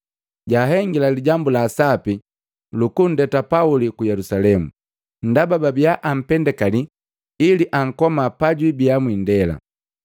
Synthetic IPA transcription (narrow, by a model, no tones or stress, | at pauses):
ɟaːɦɛŋɡilaliɟambulasapi | lukun̩dɛtapaulikujɛlusalɛmu | n̩dabababijaʔam̩pɛndɛkali | iliʔaŋ̩kɔmapaɟwibiamwindɛla̰